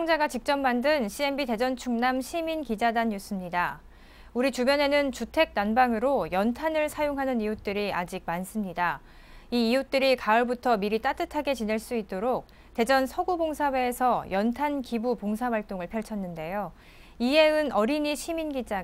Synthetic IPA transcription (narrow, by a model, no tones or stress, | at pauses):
oŋd͡ʑaɡat͡ɕik̚t͡ɕ͈ʌmːandɯnɕʰie̞mbite̞d͡ʑʌnt͡ɕʰuŋnamɕʰiminkid͡ʑadanjus͈ɯmɲida | uɾit͡ɕubjʌne̞nɯnt͡ɕutʰe̞k̚nanbaŋɯɾojʌntʰanɯɭsʰajoŋɦanɯnijut͈ɯɾiad͡ʑik̚mans͈ɯmɲida | iːjut͈ɯɾikaʌɭbutʰʌmiɾit͈at͈ɯtʰaɡe̞t͡ɕine̞ɭs͈uit̚t͈oɾok̚ | te̞d͡ʑʌnsʰʌɡuboŋsʰawe̞ːsʰʌjʌntʰankibupoŋsʰabaɭt͈oŋɯɭpʰjʌɭt͡ɕʰʌnːɯnde̞jo | ie̞ɯnʌɾiɲiɕʰiminɡid͡ʑa